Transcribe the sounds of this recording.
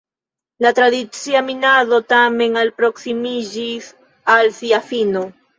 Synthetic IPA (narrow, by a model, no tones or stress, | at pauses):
lat̪ɾaðisjaminaðot̪ameŋalpɾoksimiʒis | alsiafino